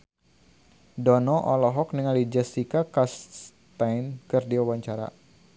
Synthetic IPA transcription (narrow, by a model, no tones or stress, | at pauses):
dɔnɔʔɔlɔɦɔk̚niŋalid͡ʒɛsikakas | t̪ajnkɨrdiwawaɲt͡ʃaɾa̰